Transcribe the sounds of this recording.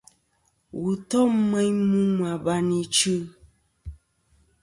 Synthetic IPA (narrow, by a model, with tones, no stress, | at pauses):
wu˨tɔ˦mɛ˦ɲmu˦ma˨ba˦ni˦t͡ʃɨ˦